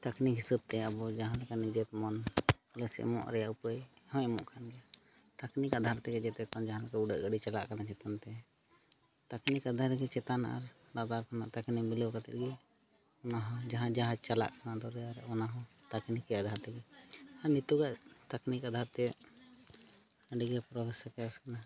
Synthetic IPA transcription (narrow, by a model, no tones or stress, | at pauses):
t̪aknikɦisəb̚t̪ɛabɔd͡ʒaɦãlɛkanid͡ʒɛt̪mɔnləsɛ̰ʔmɔ̰̃ʔɾɛjaʔupəjhɔ̃ɛmɔ̰̃ʔkʰanɡɛa | t̪aknikad̪ʱaɾt̪ɛɡɛd͡ʒɛt̪ɛt̪ɔnd͡ʒaɦãlɛkauɖəʔɡəɖit͡ʃalaʔkanat͡ʃɛt̪ant̪ɛ | t̪aknikad̪ʱaɾɡɛt͡ʃɛt̪ana̰ɾlad̪aɾkana̰t̪aknimilɛwkat̪ɛ̰ʔ̪ɡɛ | ɔnaɦɔ̃d͡ʒaɦãd͡ʒaɦad͡ʒt͡ʃala̰ʔkanad̪ɔd̪ɛaɾɔnaɦɔ̃t̪aknikːɛad̪ʱaɾt̪ɛɡɛaɾnit̪uɡaʔt̪aknikad̪ʱaɾt̪ɛ | əɖiɡɛpɾɔbɛsɔɾkɛaskana